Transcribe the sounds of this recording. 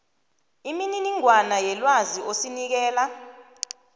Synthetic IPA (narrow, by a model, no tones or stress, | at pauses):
imininiŋwanajɛlwaziʔosinik̬ɛːla